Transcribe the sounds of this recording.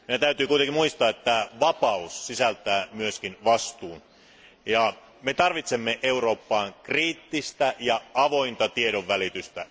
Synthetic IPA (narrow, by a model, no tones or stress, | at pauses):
minæt̪æyt̪yːkuit̪ekimuist̪ɑːet̪ːæʋɑpɑusːisælt̪æːmyøskinʋɑst̪uːn | jɑ | met̪ɑrʋit̪semːeʔeuro̞ːpːɑːŋkriːt̪ːist̪æjɑɑʋo̞int̪ɑt̪ieɾoʋʋælit̪yst̪æ